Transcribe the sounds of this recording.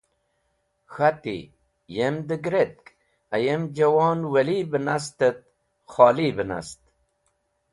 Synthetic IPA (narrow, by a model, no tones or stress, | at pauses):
xat̪ḭ | jemd̪əɡɾet̪̚k | ɐjemd͡ʑɐwɑːnwɐliːbənast̪ət̪̚ | xɑːlibəna̰st̪